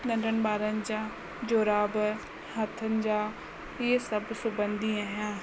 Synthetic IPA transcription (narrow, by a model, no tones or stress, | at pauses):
nəɳɖənbaːɾənd͡ʒãː | d͡ʒoːɾaːb | ɦɐt̪ʰənɪd͡ʒaː | eːsəbsʊbənd̪iaɦjãː